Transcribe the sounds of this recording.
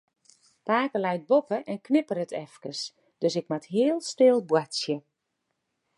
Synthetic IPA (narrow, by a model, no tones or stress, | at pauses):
paːkəlɛjt̚bopəʔɛnknɪpərətʰɛfkəs | d̥øsɪk̚matɦɪːəlˠstɪlˠbwatsjə